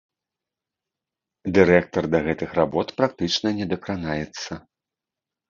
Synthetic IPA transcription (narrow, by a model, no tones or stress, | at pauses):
d̪ɨɾɛk̚t̪ɐrd̪ɐɣɛt̪ɨxrabɔt̪pɾakt̪ɨt͡ʂnɐnʲɛd̪ɐkɾanajɛt̪sːɐ